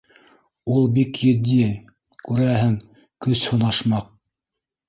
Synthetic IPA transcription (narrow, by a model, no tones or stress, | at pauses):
ulˠbikjɵ̆d̪iɘ | kʉɾæɦɘŋ | kɵshŏnɑʃmɑq̚